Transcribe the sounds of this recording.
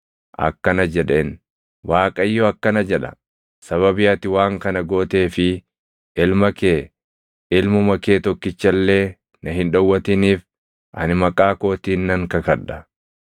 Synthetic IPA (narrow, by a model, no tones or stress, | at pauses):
ʔɐ̰kːɐnɐd͡ʒɛᶑe̞ːn | waːkʼɐjːɔɐkːɐnɐd͡ʒɛᶑɐ̥ | sɐβɐbɪjɐt̪ɪwaːŋkɐnɐɡo̞ːt̪e̞ːfɪ | ɪlmɐkeː | ɪlmʊmɐke̞ːt̪ɔkːɪt͡ʃːɐlːe̞ː | nɐɦɪnᶑɐwːɐt̪ɪniːf | ʔɐnɪmɐkʼaːko̞ːt̪iːnːɐŋkɐkɐᶑɐ